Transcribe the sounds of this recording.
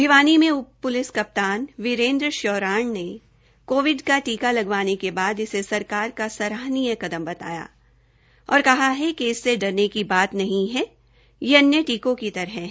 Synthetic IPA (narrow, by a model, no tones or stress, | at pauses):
biʋaːnimẽʊpʊlɪskɐp̚t̪aːnʋɪɾẽːnd̪ɾəʃɔːɾaːɳne | koːʋɪɖkaʈiːkalɐɡʋaːnekebaːd̪ɪsesɐɾkaːɾkasɐɾaːɦnijəkɐd̪əmbɐt̪a̰ːja̰ː | ɔːɾkɐɦaɦɛkeɪsːeɖɐɾnekibaːt̪nɐɦĩɦɛ | jeɐnjeʈiːkõkit̪ɐɾɦɛ̃ɦ